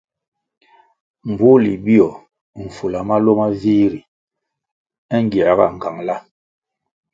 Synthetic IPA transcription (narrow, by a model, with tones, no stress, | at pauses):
m̩˨bu˦li˨bi˦ɔ˨ | ɱ̩˨fu˨la˨ma˦lo˦ma˦viː˦ɾi˨ | ɛ˦ŋ˦ɡi˨a˨ɣa̰˦˨ŋ̩˨ka˨ŋla˦